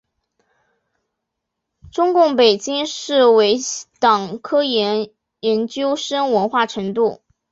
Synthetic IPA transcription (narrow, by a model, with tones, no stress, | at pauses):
ʈ͡ʂʊ˥ŋkʊ˥˩ŋpe˨˩ɪt͡ɕi˥ŋʂɻ̩˥˩we˧˥ɪt̪ɑ˨˩ŋkʰɤ˥jɛ˧˥n | jɛ˧˥nt͡ɕjo˥ʊʂə˥ŋwə˧˥nxwa˥˩ʈ͡ʂʰɤ˧˥ŋt̪̬u˥˩